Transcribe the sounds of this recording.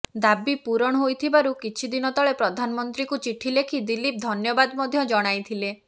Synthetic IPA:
d̪abipuɾɔɽ̃ɔɦojt̪ʰibaɾukit͡ʃʰid̪inɔt̪ɔɭepɾɔd̪ʱanɔmɔnt̪ɾikut͡ʃiʈʰːilekʰid̪ilip̚d̪ʱɔnjɔbad̪ɔmɔd̪ʱjɔd͡ʒɔɽ̃ajt̪ʰile

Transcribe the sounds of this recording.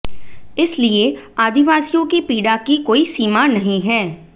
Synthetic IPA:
ɪslieːaːd̪ɪʋaːsijõːkipiːɖaːkikoːiːsiːmaːnəɦĩːɦɛː

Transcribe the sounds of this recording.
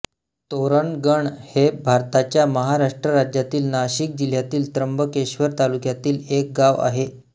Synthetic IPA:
t̪oɾəɳɡəɳhebʱaɾt̪at͡ɕjaməɦaɾaʂʈɾəɾad͡ʑjat̪iːlnaɕik̚d͡ʑil̤jat̪iːlt̪ɾəmbəkeɕʋəɾt̪alukjat̪iːlek̚ɡaʋa̰ɦe

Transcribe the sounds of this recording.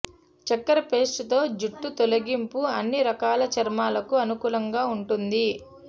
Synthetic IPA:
t͡ʃɐkːɐɾɐpe̞ːsʈɐt̪o̞ːd͡ʒuʈːut̪olɐɡimpuɐnːiɾɐkaːlɐt͡ʃɐɾmaːlɐkuɐnukuːlɐŋɡaːuɳʈund̪i

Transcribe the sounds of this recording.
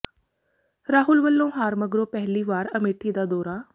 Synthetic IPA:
ɾaːɦʊlʋəlːõːɦaːɾməɡɾoːpɛɦliːʋaːɾəmeːʈʰːiːd̪aːd̪ɔːɾaː

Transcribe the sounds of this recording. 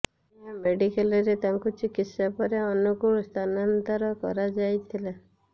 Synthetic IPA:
ameɖikelɔɾet̪aŋkut͡ʃikit̪sapɔɾeɔnukuɭɔst̪ʰanant̪ɔɾɔkɔ̰ɾad͡ʒajt̪ʰila

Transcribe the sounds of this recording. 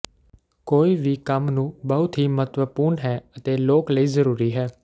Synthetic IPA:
koːiːʋiːkəmnũːbəʊt̪ɦiːmət̪ʋəpuːɾnɦɛːət̪eːloːkləiːzəɾuːɾiːɦɛː

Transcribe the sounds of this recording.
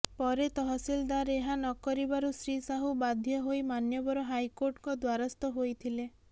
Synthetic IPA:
pɔɾet̪ɔɦɔsild̪aɾeɦanɔkɔɾibaɾusɾisaɦubad̪ʱjɔɦojmanjɔbɔɾɔɦajkoɾʈkɔd̪waɾɔst̪ɔɦojt̪ʰile

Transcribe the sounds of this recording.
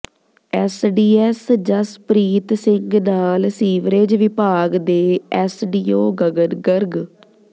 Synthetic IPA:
ɛsɖiːɛsd͡ʒəspɾiːt̪sɪŋɡnaːlsiːʋɾed͡ʒʋɪpaːɡd̪eːɛsɖiːoːɡəɡəɾɡəɾɡ

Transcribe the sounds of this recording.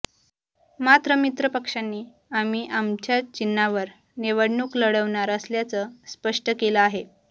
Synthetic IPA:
mat̪ɾəmit̪ɾəpəkʂanːiː | amiːʔamt͡ɕjat͡ɕinːaʋəɾ | neʋəɽɳuːkləɽəʋɳaɾəsljat͡səspəʂʈəkeləaɦe

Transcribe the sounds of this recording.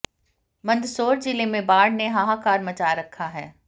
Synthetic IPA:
mɐ̃nd̪soːɾt͡ʃɪlẽmẽbaːɽneɦaːɦakaːɾmɐt͡ʃaːɾɐkʰːaɦɛː

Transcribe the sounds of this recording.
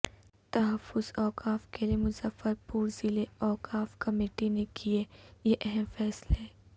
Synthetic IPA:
t̪ɐɦɐfːʊzɔːkaːfkeliemʊzəfːəɾpuːɾzɪleɔːkaːfkɐmeːʈinekʰiejeʔɛɦɛmfɛːsleɛː

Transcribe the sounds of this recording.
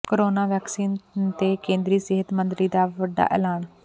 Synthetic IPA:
kəɾoːnaːʋɛːksiːnt̪eːkẽːnd̪ɾiːsɪɦət̪mə̃nt̪ɾiːd̪aːʋəɖːa̰ːʔɛ̰ːlaːn

